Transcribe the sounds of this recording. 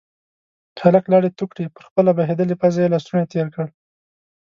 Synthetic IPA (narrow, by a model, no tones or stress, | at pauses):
haləklɑɽet̪ukɽipəɾxpəlabaɦed̪əlepazajelɑst̪unat̪eɾkəɽ